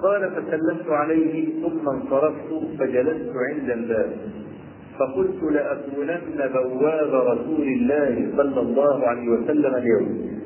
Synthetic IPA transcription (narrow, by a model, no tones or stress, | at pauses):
qɑːlafasalːamt̪ʊʕalajhɪθʊmːansˤɑɾˤɑft̪ʊfad͡ʒalast̪ʊʕɪnd̪albaːb | fɑqʊlt̪ʊlɪʔakuːlanːabawːaːbaɾˤɑsuːlɪlːaːhɪsˤɑlːɑlˤːɑːhʊʕalajhɪwasalːamaljawm